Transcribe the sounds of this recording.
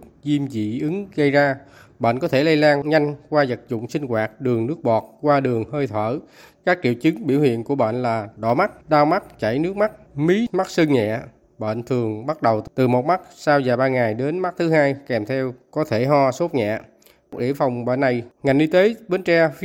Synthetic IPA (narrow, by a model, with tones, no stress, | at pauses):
zi˧mzḭ˧˨ʔɨ˨˦ŋɣə˧jzaː˧ɓə̰ː˧˨nkɔ˨˦t̪ʰe˧˩lə˧jlaː˧nɲa˧jŋ̟kwaː˧zə˨˩t̚zʊ̰˧˨ŋ͡msï˧ŋ̟kwaː˨˩t̚ɗɨ˨˩əŋnɨ˦˥ək̚ɓɔ˨˩t̚kwaː˧ɗɨ˨˩əŋhəː˧jt̪ʰwəː˧˩ | kaː˦˥k̚t͡ɕḭ˧˨əwt͡ɕɨ˨˦ŋɓi˧˩əwhwḭ˧˨ənku˧˩əɓə̰˧˨nlaː˨˩ɗɔ˧˩ma˦˥t̚ɗaː˧wma˦˥t̚t͡ɕa˧˩jnɨ˦˥ək̚ma˦˥t̚mi˨˦ma˦˥t̚sɨ˧ŋɲɛ̰˧˨ | ɓə̰ː˧˨nt̪ʰɨ˨˩əŋɓa˦˥t̚ɗə˨˩wt̪ɨ˨˩mo˨˩t̚ma˦˥t̚saː˧wzaː˨˩ɓaː˧ŋa˨˩jɗe˨˦nma˦˥t̚t̪ʰɨ˨˦haː˧jkɛ˨˩mt̪ʰɛ˧wkɔ˨˦t̪ʰe˧˩ɦɔ˧so˦˥t̚ɲɛ̰˧˨ | kk̚ɗḭ˧˨əfa˨˩wŋ͡mɓə̰˧˨nːa˨˩jŋa˨˩jŋ̟ɗi˧t̪e˨˦ɓe˨˦nt͡ɕɛ˧f